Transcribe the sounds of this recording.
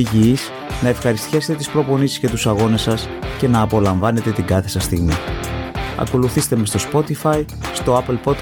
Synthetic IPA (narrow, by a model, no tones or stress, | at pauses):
iʝiis | nɐe̞fxɐɾist̪çɐset̪et̪ispɾo̞po̞nisisce̞t̪usɐɣo̞ne̞sɐs | ce̞nɐːpo̞lɐɱvɐne̞t̪e̞t̪iɡɐθe̞sɐst̪iɣmi | ɐ̰ko̞luθist̪e̞mest̪o̞spo̞t̪ifɐj | st̪o̞ɐpelpo̞t̪